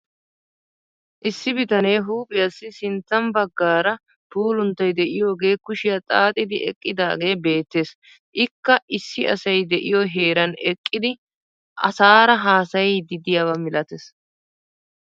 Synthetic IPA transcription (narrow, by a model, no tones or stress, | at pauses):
ʔɪsːɪbɪt̪ɐnejɦuːpʼɪjɐsːɪsɪnt͡s̪ːɐmbɐɡːaːɾɐ | puːlʊnt̪ːɐjd̪ɛʔɪjo̞ːɡe̞ːkʊʃɪjɐt̪ʼaːt̪ʼɪd̪ɪʔɛ̰kʼːɪd̪aːɡe̞ːbe̞ːt̪ːe̞ːs | ʔɪkːɐʔɪsːɪɐsɐjd̪ɛʔɪ̰joɦe̞ːɾɐnɛkʼːɪd̪ɪ | ʔɐ̰saːɾɐɦaːsɐjd̪ɪd̪ɪjawɐmɪlʔɐt̪ɛs